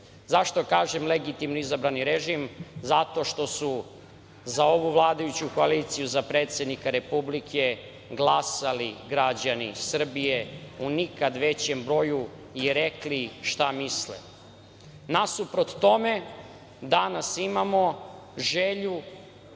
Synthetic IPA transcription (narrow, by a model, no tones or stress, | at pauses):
zaʃt̪okaːʒemleɡit̪imnuizabɾaniɾeʒimzat̪o̞ʃt̪o̞su | zao̞ʋuʋlˠaːd̪ajut͡ɕukoalit̪sijuzapɾe̞ːt̪sʲe̞d̪nikaɾe̞publikʰe̞ | ɡlˠasaliɡɾad͡ʑanḭsr̩bijeunikad̪ʋe̞t͡ɕembɾo̞ju | iɾekliʃt̪amislḛ | nasupɾot̪t̪o̞me̞ | d̪anasimamo̞ | ʒeʎu